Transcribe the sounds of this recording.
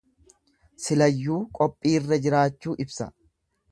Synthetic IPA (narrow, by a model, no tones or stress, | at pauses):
sɪlɐjːuːkʼɔpʼːiːrːɐd͡ʒɪɾaːt͡ʃːuːʔɪbsɐ̰